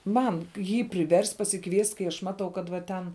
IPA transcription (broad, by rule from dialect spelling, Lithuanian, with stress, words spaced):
ˈmɐn ˈjiː pʲrʲɪˈʋʲɛrʲsʲtʲ pɐsʲɪˈkʋʲiɛsʲtʲ kɐɪ ɐʃ ˈmɑːtɐʊ kɐt ʋɐ ˈtʲɛn